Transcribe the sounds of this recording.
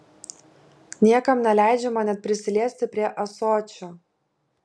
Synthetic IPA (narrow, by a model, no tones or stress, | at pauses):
nʲiɛkɐmnʲɛlʲæˑɪd͡ʒʲɛmɐnʲɛt̪̚ʲpʲɾʲɪsʲɪlʲeːsʲt̪ʲɪpʲɾʲiɛʔɐsoːt͡ʃʲo